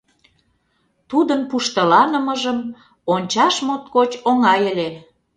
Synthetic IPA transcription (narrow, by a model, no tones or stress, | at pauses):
t̪ud̪ənpuʃt̪ə̆lɑnəməʒəm | onʲt͡ɕɑʃmot̪̚kot͡ɕoŋɑjəlʲe